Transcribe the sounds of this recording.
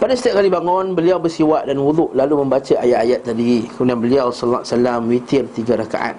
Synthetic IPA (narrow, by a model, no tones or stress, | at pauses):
padasit̪iap̚kalibaŋɔ̃nbəliawbərsiwaʔdanwud̪uʔlalumə̃mbat͡ʃaʔajaʔ̪ajat̪̚ːadikəuniãnbəliawsɔllːa̰asalamwit̪ɪrt̪iɡaɾaka̰ʔa̰t̪̚